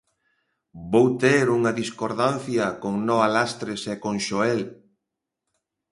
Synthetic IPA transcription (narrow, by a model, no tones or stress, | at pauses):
bowt̪eɾuŋɐðiskoɾðanθjɐkoŋnɔalast̪ɾesekoŋʃoɛel